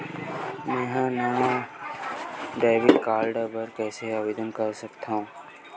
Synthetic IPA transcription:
mɛ̃ːɦãːnəʋã | ɖaːʋɪkːaːɾɖəbəɾkɛːseaːʋed̪ʱənkəɾsəkt̪ʰã

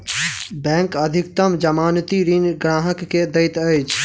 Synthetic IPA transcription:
bɛ̃ːŋkɐd̪ʱɪk̚t̪əmd͡ʒɐmaːnt̪iɾinɡɾaːɦəkːed̪əɪt̪əjt͡ʃʰ

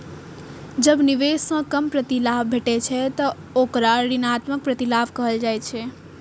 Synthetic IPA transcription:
d͡ʒəbniʋesə̃kəmpɾət̪ilabbʱeʈɛt͡ʃʰɛt̪ə | okɾaəɾinat̪mək̚pɾət̪ilabkəɦəld͡ʒajt͡ʃʰɛ

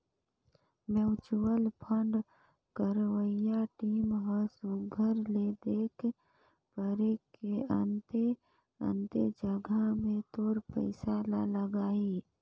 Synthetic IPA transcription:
meʊt͡ʃuwəlpʰə̃ɳɖ | kəɾwəjaʈiːmɦəsuɡʱəɾled̪eːkʰ | pəɾekeənt̪e | ə̰̃nt̪ed͡ʒəɡʱamẽt̪oːɾpəɪsalaləɡaːi

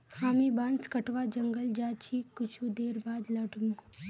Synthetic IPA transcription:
haːmibãːnskɐʈʋad͡ʒɐ̃ŋɡəld͡ʒaːt͡ʃʰikʊt͡ʃʰud̪eːɾbaːd̪lɐɖʱmũ

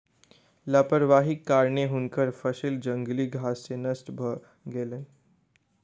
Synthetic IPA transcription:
ləpəɾʋaɦikːaɾɳeɦunkəɾfəɕild͡ʒəŋɡliːɡʱasːenəsʈbʱə | ɡelən

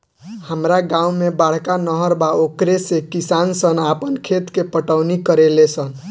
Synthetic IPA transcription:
həmɾaɡãumebaɽ̤kanəɦəɾbaokɾesekisansənapənkʰet̪kepəʈəwnikəɾelesən

